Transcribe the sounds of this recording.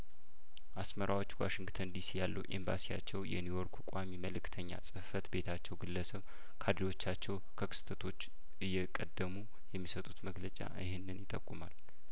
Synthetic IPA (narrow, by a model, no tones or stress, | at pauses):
ʔasməɾʔawo̞t͡ʃːwa̰ʃɪŋɡt̪ʰənd̪isijalːəwʔḛmba̰sija̰t͡ʃːɛwjɛ̰njujoɾkʰukʼamiməlɨkʰːt̪ʰəɲːa̰sʼɨfət̪be̞t̪ʰat͡ʃːɛwɡɨlːəsəβ | kʰad̪ɾiwo̞t͡ʃːat͡ʃːɛwkʰəkʰɨ̥st̪ʰət̪ʰo̞t͡ʃː | ʔɨjːɛkʼəd̪ːəmu | jɛmːisət̪ʼut̪məɡlət͡ʃʼa̰ʔɨhɪnːɨnjɪt̪ʼəkʼːumal